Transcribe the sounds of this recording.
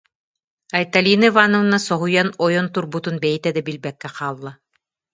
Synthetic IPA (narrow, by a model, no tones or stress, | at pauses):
ɐjt̪alʲinɘvanovnasɔɦujɑnɔjont̪uɾbut̪unbæjt̪æd̪ɘbilbækːæqɑːlˠːɑ